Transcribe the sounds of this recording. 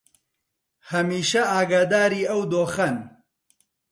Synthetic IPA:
hɐmiːʃɐaːɡad̪aːɾiːɐwd̪oːxɐn

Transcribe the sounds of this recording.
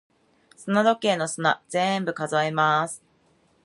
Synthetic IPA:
sɨnad̪o̞ke̞ːno̞sɨnaz̥ẽ̞mbɯ̟kazaimasɨ̥

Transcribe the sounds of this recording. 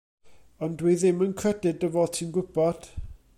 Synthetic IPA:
ɔndwiðɪmənkʰrɛdɪdəvɔðtʰinɡʊb̥ɔd̥

